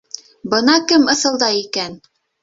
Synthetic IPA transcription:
bɤnɑkɘmɤ̆θɤ̆lˠd̪ɑjikæn

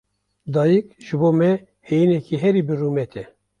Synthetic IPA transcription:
d̪ɑːjikʒ̥ɨboːmɛ | hejinɛkiːɦɛɾiːbɨrumɛt̪ʰɛ

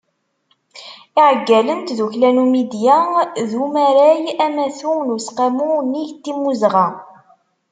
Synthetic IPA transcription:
iʕəɡːælənt̪ðuçlænumid̪jaðumæɾæjæmæθunusqamuniʝt̪ːimːuzʁa

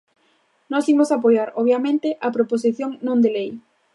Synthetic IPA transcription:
nɔsimosapojaɾɔβjamẽnt̪ɪʔɐpɾopos̬iθjoŋnõnd̪elej

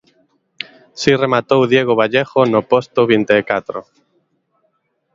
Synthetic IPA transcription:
siremat̪owðjeɣ̞oβ̞aʎeχonopost̪oβint̪eːkat̪ɾo̰

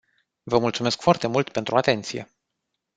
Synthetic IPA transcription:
vəmult̪sume̞skfoart̪e̞mult̪pe̞nt̪ɾuat̪e̞nt̪sije̞̰

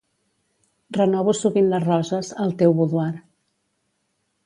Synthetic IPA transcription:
rənɔβusuβinləzrɔzəzəlˠt̪ewβuðuaɾ

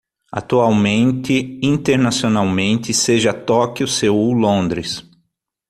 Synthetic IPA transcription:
a̰t̪uawmẽnt̪ɪĩnt̪eɾnasionawmẽnt̪ɪseʒɐt̪ɔkjʊsewulõnd̪ɾɪs

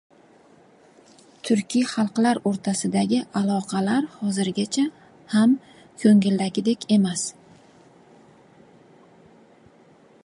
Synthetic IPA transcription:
t̪ʰʊɾkʲʰijχɑlˠqlaɾoɾt̪ʰasɪd̪aɡʲɪʔalˠɒqʰɑlaɾhɒzɪɾɡʲat͡ʃʰa | ham | kʰɵŋɪld̪aɡʲɪd̪e̞kʲʰe̞mas

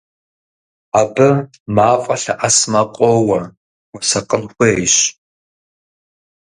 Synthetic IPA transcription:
aːbɐ | maːfʼɐɬɐʔɐsmɐqʷʼɔwɐ | wʷɐsɐqʼənxʷjɕ

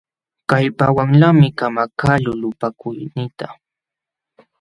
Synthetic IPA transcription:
kajpawaŋʎamɪkamakalʊlʊpakʊjnɪt̪a

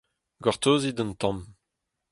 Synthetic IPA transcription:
ɡaʁt̪oːzid̪ənt̪ɑ̃m

